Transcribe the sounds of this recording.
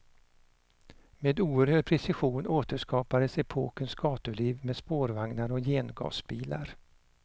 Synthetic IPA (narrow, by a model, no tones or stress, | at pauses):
meːd̪uːəɾhøːɖ̚pʰɾɛsɪɧuːnʔoːt̪əʂkɑːpad̪əsɛpʰoːkənsɡ̥ɑːt̪əɭiːvmeːd̪spoːɾvaŋnaɾɔjeːnɡɑ̰ːsbiːla̰ɾ